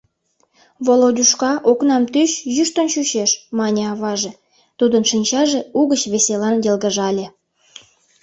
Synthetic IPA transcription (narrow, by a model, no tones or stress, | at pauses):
βolod̪ʲuʃkɑʔoknɑmt̪yʃjyʃt̪ə̆nʃyɕeʃmɑnʲeɑβɑʒe | t̪ud̪ənʃinʲt͡ɕɑʒeuɣət͡ɕβeselɑnjelɣəʒɑlʲe